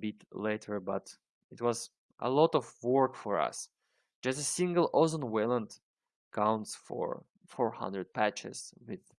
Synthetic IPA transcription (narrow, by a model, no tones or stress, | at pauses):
bɪtʰleɪɾʰə˞bʌt | ɪt̚wʌz | ʔə̰lɔɾɔvwɜ˞kfɔɹʌ̰s | d̥d͡ʒ̥ʌstəsɪ̃ŋɡəl̩ˠozə̃nwɛlˠə̃nd | kʰãʊ̃ntsfɔ̰ɹ | fɔɹhʌ̰̃ndɹɨd̚pʰæt͡ʃɪ̰z̥wɪð̥